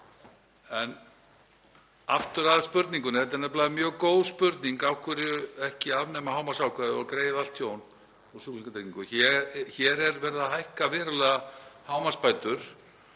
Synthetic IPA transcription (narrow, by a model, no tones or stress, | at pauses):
ɛn | a̰ft̪ʏɾaðspʏɾt̪niŋkʏnɪɛt̪anɛp̬laːjðɪmjœːɣkoːwðspʏɾt̪niŋkawkʰvʏɾʏɛhcɪavnɛmahaːwmasawkʰvɛːðɪɔɾkɾeːjɪðalt̪θjoːwn | ɔsuk̪iŋkat̪ʰekniŋkʏçɛçɛɾɛɾvɛɾðahajhkavɛːɾalɛɣahaːwmaspaːjt̪ʏɾ̥